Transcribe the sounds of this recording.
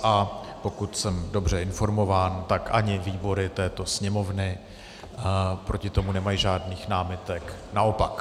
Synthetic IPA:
ʔapo̞kut̪sɛmdo̞br̝ɛɪnfo̞ɾmo̞vaːnt̪akʔa̰ɲɪviːbo̞ɾɪt̪ɛːt̪o̞sɲɛmo̞vnɪ | pɾo̞cɪt̪o̞munɛmajʒaːdniːxnaːmɪt̪ɛknaʔo̞pak

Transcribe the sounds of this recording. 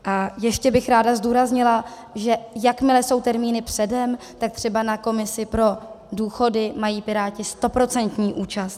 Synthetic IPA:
ʔajɛʃcɛbɪxɾaːdazduːɾazɲɪla | ʒɛjakmɪlɛso̞wt̪ɛɾmiːnɪpr̝̥ɛdɛm | t̪ak̚t̪r̝̥ɛbanako̞mɪsɪpɾo̞ | duːxo̞dɪmajiːpɪɾaːcɪst̪o̞pɾo̞t͡sɛnt̪ɲiːʔuːt͡ʃast̪̚

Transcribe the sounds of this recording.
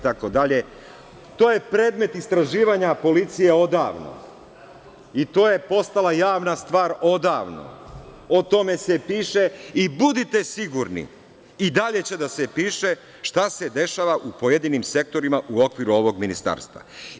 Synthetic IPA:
t̪ako̞d̪aʎe̞ | t̪oːje̞pɾe̞ːd̪me̞t̪ist̪ɾaʒiːʋaɲapo̞lit̪sije̞o̞d̪aːʋno̞̰ | it̪o̞ːjepo̞st̪alˠajaːʋnast̪ʋaːɾo̞d̪aːʋno̰ | ot̪o̞me̞se̞piːʃe̞ibud̪it̪e̞siɡuɾnḭ | id̪aʎe̞t͡ɕe̞d̪ase̞piːʃe̞ | ʃt̪ased̪e̞ʃaːʋaʔupo̞jed̪inimse̞k̚t̪o̞ɾimaʔuo̞kʋiɾuo̞ʋo̞ɡminist̪a̰ːɾst̪ʋa̰

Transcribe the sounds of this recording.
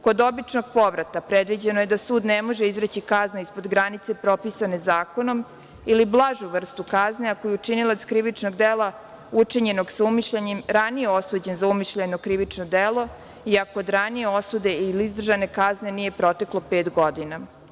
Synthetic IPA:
ko̞d̪o̞bit͡ʂno̞ɡpo̞ʋɾat̪apɾed̪ʋid͡ʑenojed̪asuːd̪nemo̞ʒeizɾet͡ɕikaznaispod̪ɡɾanit̪se̞pɾo̞pisane̞zaːko̞no̞m | iliblˠaʒuʋr̩st̪ukazneakojut͡ʂinilˠat̪skɾiʋit͡ʂnoɡd̪elˠa | ut͡ʂiɲe̞no̞ɡsaumiʃʎeɲemɾanijeosuːd͡ʑe̞nzaumiʃʎenokɾiʋit͡ʂnod̪elo̞ | iakoːd̪ɾanijeosud̪e̞iliizd̪r̩ʒane̞kazne̞nije̞pɾo̞t̪e̞klˠopeːt̪ɡo̞d̪ina

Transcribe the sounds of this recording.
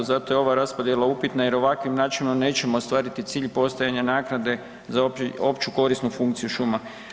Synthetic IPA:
zat̪ojeo̞ʋaɾaspod̪jelaupit̪najeɾo̞ʋakʋimnaːt͡ʃinomne̞ːt͡ɕe̞moost̪ʋaːɾit̪it̪siːʎpo̞st̪ajaɲanaːknad̪e̞ | zao̞pt͡ʃuko̞ɾisnufuŋkt̪sijuʃuma

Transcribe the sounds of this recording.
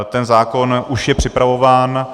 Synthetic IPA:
t̪ɛnzaːko̞nʔuʃjɛpr̝̥ɪpɾavo̞vaːn

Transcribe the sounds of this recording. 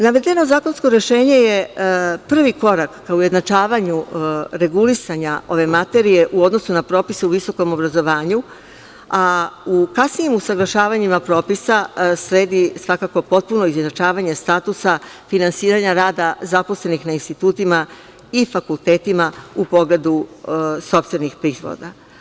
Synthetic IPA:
naʋed̪ʎʲeno̞zaːko̞nsko̞ɾe̞ʃe̞ːɲe̞je̞pr̩ʋiko̞ɾakːauje̞d̪nat͡ʃaːʋaɲuɾe̞ɡulisaɲao̞ʋe̞mat̪e̞ɾije̞ʔuo̞d̪no̞sunapɾo̞ːpiseuʋiso̞ko̞mo̞bɾazo̞ʋaːɲu | aukasniimusaɡlˠaʃaːʋaɲimapɾo̞ːpisasɾe̞ːd̪isʋakako̞po̞t̪̚puno̞izjenat͡ʃaːʋaɲest̪aːt̪usafinansiːɾaɲaɾaːd̪azapo̞sle̞nixnainst̪it̪uːt̪ima | ifakult̪e̞ːt̪imaupo̞ɡled̪uso̞pst̪ʋe̞nixpɾiːzʋo̰d̪a

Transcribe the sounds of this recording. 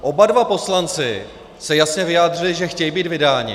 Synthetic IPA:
ʔo̞badvapo̞slant͡sɪ̰ | sɛjasɲɛvɪjaːd̪rɪlɪʒɛxcɛjibiːt̪vɪdaːɲɪ̰

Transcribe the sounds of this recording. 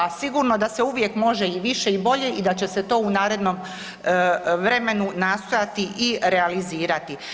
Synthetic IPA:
asiɡuɾno̞d̪aseuʋje̞kmo̞ʒeiʋiʃe̞ibo̞ʎe̞ʔid̪at͡ɕe̞set̪o̞ːunaːɾe̞d̪no̞m | ʋɾe̞me̞nunast̪o̞jat̪iʔiɾe̞aliziːɾat̪i

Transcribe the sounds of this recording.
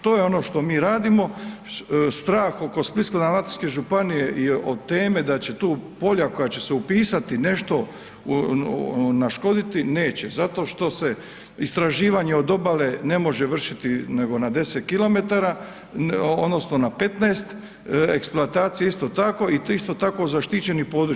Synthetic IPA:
t̪o̞ːjeo̞no̞ʃt̪o̞miːɾaːd̪imo̞ | st̪ɾaːxoko̞spliskad̪amlat̪i̥ske̞ʒupanije̞ʔiʔot̪ːe̞ːme̞d̪at͡ɕe̞t̪uːpo̞ʎako̞jat͡ɕe̞seupiːsat̪ine̞ʃt̪o̞ | naʃko̞d̪it̪ine̞ːt͡ɕe̞zat̪o̞ːʃt̪o̞se̞ | ist̪ɾaʒiːʋaɲe̞o̞d̪o̞bale̞ne̞mo̞ʒeʋr̩ʃit̪ine̞ɡo̞nad̪e̞set̪̚kilo̞me̞t̪aɾa | od̪no̞sno̞nape̞t̪neːst̪ | eksploat̪aːt̪sijaist̪o̞t̪ako̞iist̪o̞t̪ako̞zaʃt̪it͡ɕe̞nipo̞ːd̪ɾu

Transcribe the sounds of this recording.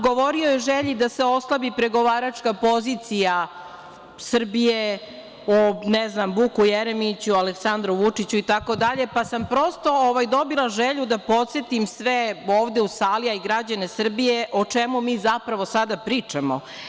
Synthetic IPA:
ɡo̞ʋoɾiojeʒeʎid̪aseo̞slˠabipɾeɡo̞ʋaːɾat͡ʂkapo̞zit̪sija | sr̩bije | onɛznambukujeɾemit͡ɕualeksand̪ɾuʋut͡ʂit͡ɕuit̪ako̞d̪aʎepasampɾo̞st̪o̞oʋajd̪o̞bilˠaʒeʎud̪apo̞t̪se̞t̪imsʋeoːʋd̪e̞usaːliaiɡɾad͡ʑane̞sr̩bijeʔot͡ʂemumiːzapɾaʋo̞sad̪apɾiːt͡ʂamo

